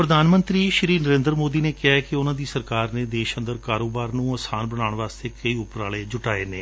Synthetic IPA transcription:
pɾəd̪ʱaːnmə̃nt̪ɾiːʃɾiːnəɾẽːnd̪ɾəmoːd̪iːneːkɪaːkɪʊnãːd̪iːsəɾkaːɾneːd̪eːʃənd̪əɾkaːɾoːbaːɾnũːəːsaːnbəɽaːɽɳʋaːst̪eːkəiːʊpɾaːleːd͡ʒʊʈaːḛːneː

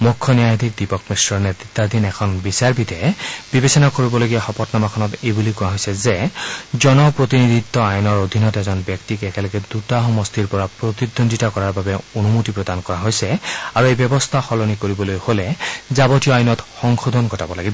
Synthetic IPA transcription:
mukʰːɔniajd̪ʱik̚dipɔkmistɹɔɹnɛt̪ɹit̪ːad̪ʱinɛkʰɔnbisaɹbid̪ɛb̥ibesɔnakoɹibɔloɡiaxɔpɔtnamakʰɔnɔtejbulikʊaɦojsɛzɛzɔnɔpɹot̪inid̪ʱit̪ːɔajɔnɔɹod̪ʱinɔtɛzɔnbjɛktikɛkɛlɔɡɛd̪utaɦɔmɔstʰiɹpɔɹapɹot̪id̪ondʱitakɔɹaɹbabɛonumutipɹɔd̪ankɔɹaɦojsɛaɹuejbjɔbɔst̪ʰaxɔlonikoɹibɔlojholɛzabɔtijɔajnɔtxɔŋxod̪ʱɔnkɔtabɔlaɡibɔ

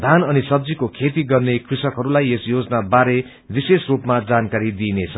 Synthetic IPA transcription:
d̪ʱanʌnisʌbd͡zikokʰet̪iɡʌrnekrisʌkɦʌɾulajesjod͡zʌnabaɾe | bisesrupmad͡zankaɾid̪inet͡sʰʌ

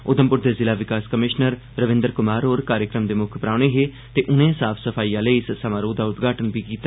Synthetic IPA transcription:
ʊd̪əmpʊɾd̪eːzɪlaːʋɪkaːskəmɪʃnəɾːəʋɪ̃nd̪əɾkʊmaːɾɦoːɾkaːɾjəkɾəmd̪eːmʊkʰpɾaːɽ̃eːɦeː | t̪eːʔʊnẽːsaːpʰsəpʰaːiːãːləiːssəmãːɾoːd̪aːʊt̪ɡʱaːʈənbiːkiːt̪a

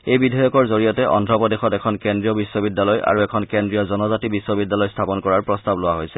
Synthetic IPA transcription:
ejbidʱɔjɔkɔɹzoɹijɔtɛʔɔ̰ndʱɔpɔdexɔtɛkʰɔnkendɹijɔbisːɔbidːalɔja̰ɹuɛkʰɔnkendɹijɔzɔnɔzatibisːɔbidːalɔjstʰapɔnkɔɹaɹpɹɔstablowaɦojsɛ

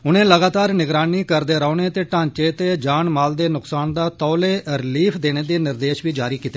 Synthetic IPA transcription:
ʊnẽːləɡaːt̪aːɾnɪɡɾaːniːkəɾd̪eːɾaːneːt̪eːʈãːɲt͡ʃeːt̪eːd͡ʒaːɳmaːld̪eːnʊksaːnd̪aːt̪ɔːleːɾɪliːpʰd̪eːñeːd̪eːnɪɾd̪eːʃʋiːd͡ʒaːɾiːkiːt̪ːeː

